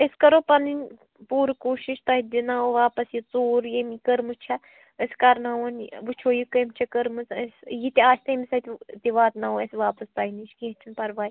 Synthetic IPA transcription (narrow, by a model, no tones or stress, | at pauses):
eskɐɾopɐninʲ | puːɾkoːʃiʃt̪ɐɦid̪inaːoʋaːpɐsjit͡soːɾjemikəɾmɨt͡ʃʰɐ | əskɐɾnaonʋut͡ʃʰoːjikɐmt͡ʃʰɐkəɾmɨt͡səsjit̪iaːt͡ʃʰt̪ɐmisɐt̪ʲt̪iʋaːt̪naoesʋaːpɐst̪aːinit͡ʃkẽːt͡ʃʰunpɐɾʋaːj